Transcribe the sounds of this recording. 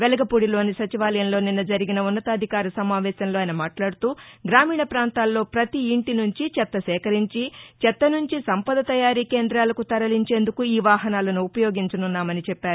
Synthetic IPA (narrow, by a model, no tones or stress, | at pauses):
ʋelɐɡɐpuːɽilo̞ːnisɐt͡ʃiʋaːlɐjɐnlo̞ːninːɐd͡ʒɐɾiɡinɐunːɐt̪ɐːd̪ʱikaːɾɐsɐmaːʋɛːsɐnlo̞ːɐjnɐmaːʈlaːɽut̪uːɡɾaːmiːɳɐpɾaːnt̪aːlːo̞ːpɾɐt̪iːɳʈinuɲt͡ʃit͡ʃɛt̪ːɐsɛːkɐɾiɲt͡ʃit͡ʃɛt̪ːɐnuɲt͡ʃisɐmpɐd̪ɐt̪ɐjaːɾiːke̞ːnd̪ɾaːlɐkut̪ɐɾɐliɲt͡ʃe̞ːnd̪ukuiːʋaːɦɐnaːlɐnuːpɐjo̞ːɡiɲt͡ʃɐnunːaːmɐnit͡ʃɛpːaːɾu